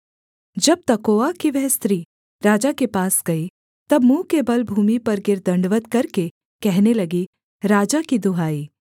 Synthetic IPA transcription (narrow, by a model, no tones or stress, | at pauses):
d͡ʒɐb̚t̪ɐkoːakiʋɛɦst̪ɾiː | ɾaːd͡ʒakepaːsɡɐi | t̪ɐbmũːkebɐlbʱuːmipɐɾɡɪɾd̪ɐ̃ɳɖʋət̪kɐɾke | kɛɦnelɐɡi | ɾaːd͡ʒakid̪ʊɦaːiː